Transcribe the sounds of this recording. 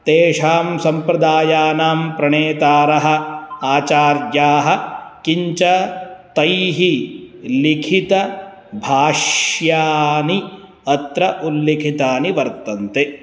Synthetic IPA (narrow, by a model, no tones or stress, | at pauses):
t̪eːʂaːmsɐmpɾɐd̪aːjaːnaːmpɾɐɳeːt̪aːɾɐɦɐ̆aːt͡ʃaːɾjaːɦɐ̆kiɲt͡ʃɐt̪ɐjɦilikʰit̪ɐ | bʱaːʂjaːni | ɐt̪ɾɐʔulːekʰit̪aːniʋɐɾt̪ɐnt̪e